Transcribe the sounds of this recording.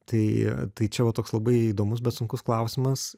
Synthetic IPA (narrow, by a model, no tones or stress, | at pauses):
t̪ɐɪt̪ɐɪt͡ʃʲɛʋɐt̪oːkslˠɐbɐɪiːd̪oːmʊs̬bʲɛt̪sʊŋkʊsklˠɐʊsʲɪmɐs